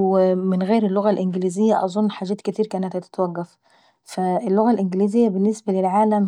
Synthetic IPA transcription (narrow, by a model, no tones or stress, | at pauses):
mɪnɣeːɾelːoɣælʔɪnɡɪliːzejːæʔɑzˤonːħaːd͡ʒæːt̪ket̪iːɾkæːnæt̪hæt̪e̥t̪wæɣːæf | fæelːoɣælʔɪnɡɪliːzejːæbenːesbælelʕaːlæm